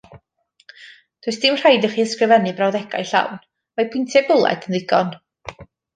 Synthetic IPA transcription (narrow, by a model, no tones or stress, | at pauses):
d̥ʰuɨsd̥ɪmr̥ajdəχiːəskrɪvɛnɨbrawðɛɡa̰jɬa̰wn | majpʰʊjntʰɛbʊlˠɛ̰dənðɪɡɔn